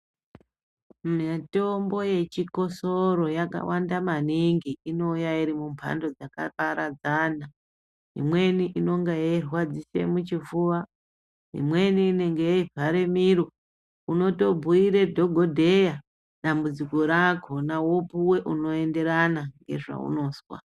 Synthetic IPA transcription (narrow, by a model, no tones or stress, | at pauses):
mato̞mbo̞je̞t͡ʃiko̞soɾo̞jaka̰wʔandamaniŋɡiino̞jaiɾimumpʰa̰ndo̞d͡zaka̰paɾad͡zana | ɦḭmwe̞niʔino̞ŋɡejairwad͡zise̞̰mut͡ʃivuʋa | ɦḭmwe̞niːne̞ŋɡejeivʱaɾemiɾo | uno̞to̞bʱuiɾedʱo̞ɡʱodʱe̞ja | ɗambud͡ziko̞ɾakʰo̞nawopuwe̞ʔuno̞e̞nde̞ɾanaŋɡe̞̰ʐa̰ṵno̞ːswa̰